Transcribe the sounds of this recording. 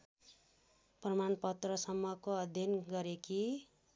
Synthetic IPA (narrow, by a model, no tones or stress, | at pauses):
prʌmanpʌt̪rʌsʌmːʌkoʌd̪ʱjʌnɡʌɾeki